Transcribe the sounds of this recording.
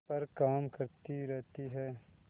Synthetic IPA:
pɐɾkaːmkɐɾt̪iɾɛɦt̪iɦɛː

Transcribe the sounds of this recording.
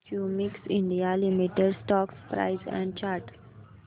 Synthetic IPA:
kjumiksɪ̃ɳɖijalimiʈeɖsʈɔːkspɾa̰ɪzɛ̰̃ɳɖ̚t͡ʃaːɾʈ

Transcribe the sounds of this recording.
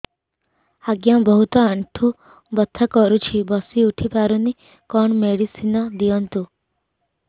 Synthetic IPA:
aɡjabɔɦut̪ɔaɳʈʰu | bɔt̪ʰːɔkɔɾut͡ʃʰibɔsiuʈʰipaɾuni | kɔɳmeɽisinɔd̪ijɔnt̪u

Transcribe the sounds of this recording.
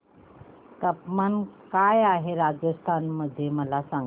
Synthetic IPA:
t̪əpmankajaɦeɾad͡zəst̪ʰanməd̪ʱjeməlasã

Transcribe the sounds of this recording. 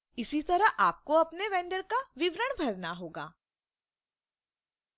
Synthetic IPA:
ɪsit̪ɐɾəʔaːp̚koɐpneʋɛ̃ːɳɖəɾkaʋɪʋɾəɽ̃bʱɐɾnaɦoːɡa̰ː

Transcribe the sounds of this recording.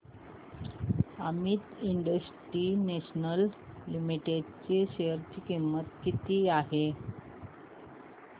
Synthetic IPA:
əmiːt̪iɳɖəsʈɾineɕnəllimiʈeɖt͡seɕeəɾt͡ɕikimːət̪kit̪iːaɦe

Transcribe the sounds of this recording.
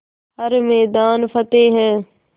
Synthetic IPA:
ɦəɾmɛːd̪aːnfʰət̪eːɦɛː

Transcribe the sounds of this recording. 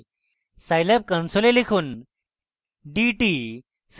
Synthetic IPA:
sajlep̚kənsolelikʰuːn | ɖiʈi | s

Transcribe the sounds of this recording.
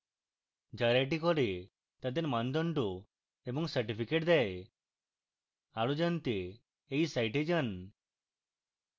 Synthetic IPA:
d͡ʒaɾeʈikɔɾe | t̪ad̪eɾmand̪ɔɳʈu | ebɔŋsaɾʈipʰikeʈd̪ae | aɭud͡ʒant̪eː | jsajʈed͡ʒan

